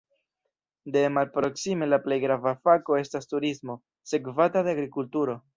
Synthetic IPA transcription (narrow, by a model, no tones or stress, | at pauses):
de̞malpɾo̞ksime̞laple̞jɡɾavafako̞e̞stastuɾismo̞ | se̞kvatadeaɡɾikultuɾo̞